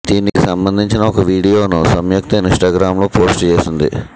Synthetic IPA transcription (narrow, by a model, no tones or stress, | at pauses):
d̪iːnikisɐmbɐnd̪ʱiɲt͡ʃinɐɔkɐʋiːɽijoːnusɐmjuk̚t̪ɐinʂʈaːɡɾaːmloːpo̞ːsʈt͡ʃe̞ːsind̪ḭ